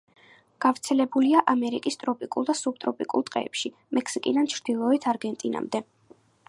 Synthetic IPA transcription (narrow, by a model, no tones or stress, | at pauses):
ɡ̥avɾt̪sʰɛlɛbuliaʔamɛɾikʼist̪ʼɾɔpʼikʼulˠd̪asub̚t̪ʼɾɔpʼikʼṵlˠt̪ʼqʼɛ̰ːpʃi | mɛkʰsikʼid̪ant͡ʃʰɾd̪̥ilˠɔɛt̪ʰaɾɡɛnt̪ʼina̰md̪ɛ